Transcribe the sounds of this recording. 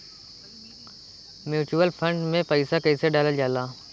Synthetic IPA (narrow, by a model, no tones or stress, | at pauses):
mjuːt͡ʃuwəlpʰə̃ɳɖmẽpɐɪsakɐɪseɖaːləld͡ʒaːlaː